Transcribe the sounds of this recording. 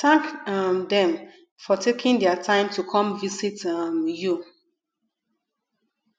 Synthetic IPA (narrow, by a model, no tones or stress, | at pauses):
tãŋkmdɛ̃m | fɔtʰekʰĩndɛatʰãɪ̃mtʰukʰɔ̃mvisitamju